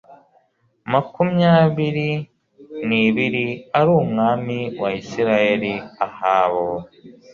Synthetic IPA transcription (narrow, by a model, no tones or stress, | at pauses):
makumɲaːβiɾi | niβiɾiaɾuːmŋaːmiwaisiɾajeɾiahaβo